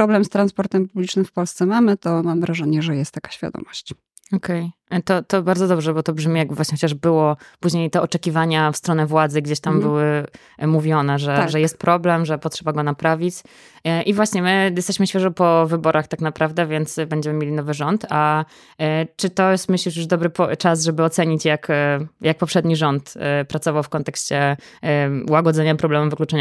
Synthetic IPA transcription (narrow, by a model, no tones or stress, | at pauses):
ɾɔblɛmst̪ɾanspɔɾt̪ɛmpublʲit͡ʂnɘmfpɔlst̪sɛmamɘt̪ɔmamvɾaʐɛɲɛʐɛjɛst̪ːakḁɕfʲja̰d̪ɔ̰mɔɕt͡ɕ | ɔkʰɛj | t̪ɔt̪ɔbaɾd̪zɔd̪ɔbʐɛbɔt̪ɔbʐmʲijaɡ̚bvwaɕɲɛxɔt͡ɕaʐbɘwɔpuʑɲejt̪ɛɔt͡ʂɛkʲivaɲafst̪ɾɔnɛvwad̪zɘɡd͡ʑeɕt̪ambɘwɘ | muvʲjɔnɛʐɛaʐɛjɛst̪̚pɾʔɔblɛmʐɛpɔtʂɛbaɡɔnapɾavʲit͡ɕ | ʔivwaɕɲɛmɘjɛst̪ɛɕmɘɕfʲjɛʐɔpɔvɘbɔɾaxt̪aknapɾavd̪ɛvʲjɛnt̪sbɛɲd͡ʑɛmɘmʲelʲinɔvɘʐɔnt̪a | t͡ʂɘt̪ɔjɛst̪mɘɕlʲiʂjuʐd̪ɔbɾɘpt͡ʂas̬ʐɛbɘɔt̪sɛɲit͡ɕjakjak̚pɔpʂɛd̪ɲiʐɔnt̪pɾat̪sɔvawfkɔnt̪ɛkɕt͡ɕɛ | uwaɡɔd̪zɛɲapɾɔblɛmɛmvɨklut͡ʂɛɲa